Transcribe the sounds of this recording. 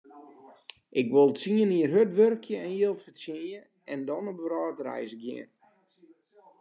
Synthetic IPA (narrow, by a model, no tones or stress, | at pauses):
ʔɪkʋolˠsiəniərɦøtʋørkʰjəɛnjiəlˠfəsjijə | ɛndɔnɔbɾɔːtrɛ̰jsɡjɪ̰ən